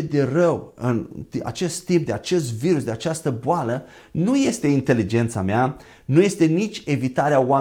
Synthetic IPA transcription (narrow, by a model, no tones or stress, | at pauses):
ed̪e̞rəwɨnt̪ia̰t͡ʃe̞st̪ːimp̚d̪e̞at͡ʃe̞st̪viɾusd̪eat͡ʃast̪əboalə | nuje̞st̪e̞int̪e̞lid͡ʒe̞nt̪samea | nuje̞st̪e̞nit͡ʃʲe̞vit̪aɾeawa